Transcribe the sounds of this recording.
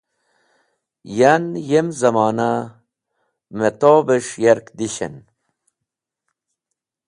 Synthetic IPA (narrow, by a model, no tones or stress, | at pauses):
janjemzɐmaːna | met̪oːbeʂjɐɾkd̪iɕɐ̰n